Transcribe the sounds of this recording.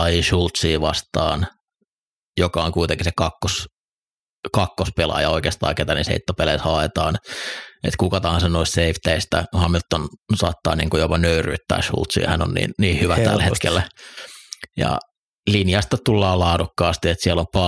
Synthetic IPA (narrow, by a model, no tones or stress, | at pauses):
ɑjiʃult̪siːʋɑ̰st̪ɑ̰ːn | jokɑoŋkuit̪eŋkisekɑkːos | kɑkːospelɑ̰jɑoikeːst̪ɑ̰ːket̪ænḭsḛit̪ːopeleishɑet̪ɑːnḛt̪kukɑt̪ɑhɑnsenoist̪seift̪æist̪æ̰khɑminut̪ːonsɑ̰ːt̪ːɑ̰ːnḭːŋkujopɑnøyry̰ːt̪ːæ̰ːʃṵlt̪sḭːhæno̰nnḭːnniːhyʋætt̪æ̰lhḛt̪kḛlːæ | jɑ̰ | linjɑst̪ɑt̪ulːɑːlɑːdukːɑːst̪iet̪siælompɑ